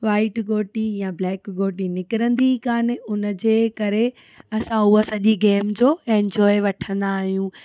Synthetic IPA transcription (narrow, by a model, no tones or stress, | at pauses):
ʋaːɪʈɡoːʈijãblɛːkɡoːʈinɪkɪɾə̃nd̪ikaːnɪ̆ʊnəd͡ʑeːkɐɾe | ɐsãʊɦosɐʄiɡeːmd͡ʑoːẽnd͡ʑɔːeʋɐʈʰə̃nd̪aːɦijũː